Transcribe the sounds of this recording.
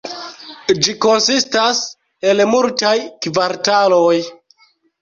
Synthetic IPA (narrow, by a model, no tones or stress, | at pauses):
d͡ʒiko̞nsistas | e̞lmultajkvaɾtaloj